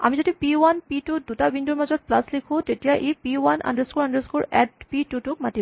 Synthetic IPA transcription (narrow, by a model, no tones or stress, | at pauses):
a̰mizodipiwanpitudutabinduɹmazɔt̚plaslikʰõtetijaʔepiwanʔa̰ndəskuɹandəskuɹɛtpitutuk̚mati